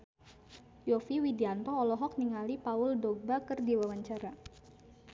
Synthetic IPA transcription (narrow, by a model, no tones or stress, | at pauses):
jɔfiwidiant̪ɔːlɔɦɔk̚niŋalipaʊldɔbakɨrdiwawaɲt͡ʃaɾa